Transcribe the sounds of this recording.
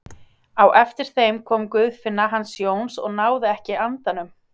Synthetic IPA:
awʔɛft̪ɪɾ̥θejmkʰɔːmkʏððfɪnːaɦanːsjoːwnsɔ̰ɣnaːwðɪɛhcɪant̪anʏm

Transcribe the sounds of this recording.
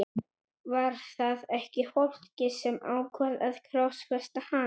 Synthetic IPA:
vaɾ̥θaðɛhcɪfɔl̥cɪsɛma̰ːwkʰvaðaðkʰɾawsfɛst̪aha

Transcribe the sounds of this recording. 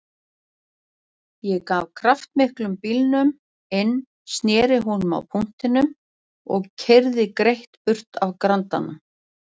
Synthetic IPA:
jɛkavkʰɾaft̪mɪhklʏmpilnʏm | ɪnː | st̪njɛːɾɪɦunʏma̰wpʰuŋ̥t̪ɪnʏm | ɔ̰ɣcʰɛɾðɪkɾejht̪pʏr̥t̪ʰavkɾant̪a̰na

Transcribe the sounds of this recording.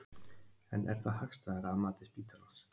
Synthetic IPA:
ɛnʔɛ̰ɾ̥θahakst̪aðɾaːðmaːt̪ɪspiːt̪alɔns

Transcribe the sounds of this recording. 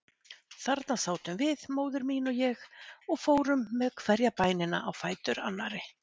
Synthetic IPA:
θaɾt̪nasaːwt̪ʏmvɪðmoːwðʏɾmiːnɔjɛxɔɣfoːwɾʏmːɛkʰv̥ɛɾjapaːjnɪna̰ʔawfaːjt̪ʏɾa̰nːaɾɪ

